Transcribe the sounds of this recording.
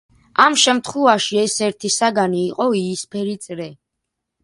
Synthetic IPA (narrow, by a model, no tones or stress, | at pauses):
amʃɛmt̪ʰχwɛvaʃiɛsɛɾt̪ʰisaɡaniːqʼɔiːspʰɛɾit̪sʼɾɛ